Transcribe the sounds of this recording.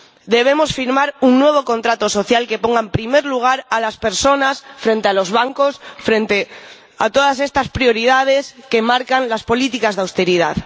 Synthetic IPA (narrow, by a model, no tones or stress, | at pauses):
d̪e̞β̞e̞mo̞sfiɾmaɾuŋnwe̞β̞o̞ko̞nt̪ɾat̪o̞so̞θjalke̞po̞ŋɡampɾime̞ɾluɣ̞aɾalaspe̞ɾso̞nasfɾẽ̞nt̪ealo̞zβ̞aŋko̞sfɾent̪e | a̰t̪o̞ð̞as̬e̞st̪aspɾjo̞ɾið̞að̞e̞ske̞maɾkanlaspo̞lit̪ikazðawst̪eɾiða̰ð